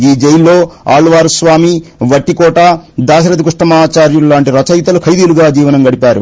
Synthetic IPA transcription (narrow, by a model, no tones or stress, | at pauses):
iːd͡ʒejlːoːa̰ːlʋaːɾusʋaːmiʋɐʈːikɔːʈaːd̪aːʃɐɾɐd̪ikuʂʈɐmaːt͡ʃaːɾjullaːɳʈiɾɐt͡ʃɐjt̪ɐlukʰɐjd̪iːluɡaːd͡ʒiːʋɐnɐmɡɐɽipaːɾṵ